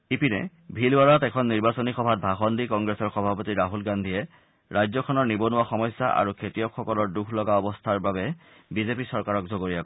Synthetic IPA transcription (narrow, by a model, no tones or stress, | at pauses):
ipinɛ̰ | bʱilwaɹatɛkʰɔnːiɹbasonixɔbʱat̚bʱaxɔndikɔŋɡɹesɔɹxɔbʱapotiɹaɦulɡandʱiɛ | ɹajzɔkʰɔnɔɹnibonʊwaxɔmɔjsːa̰ʔa̰ɹukʰetijɔkxɔkɔlɔɹdukʰlɔɡaɔbɔstʰaɹbabɛ | bizepisɔɹkaɹɔk̚zoɡoɹijakɔ